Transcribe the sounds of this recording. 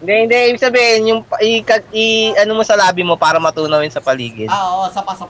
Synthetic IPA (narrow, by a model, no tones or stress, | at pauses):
ɪnd̪ɛhɪnd̪ɛʔiːbɪɡ̚sɐbiːhɪnjʊŋpɐʔɪkɐiʔɐnomosɐlaːbɪmo̞paːɾɐmɐt̪uːnɐwjʊnsɐpɐliːɡɪnosɐɐ